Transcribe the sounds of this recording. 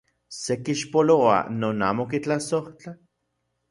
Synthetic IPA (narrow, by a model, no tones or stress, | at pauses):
sekiʃpoloa̰noːna̰ːmokit͡ɬasoht͡ɬa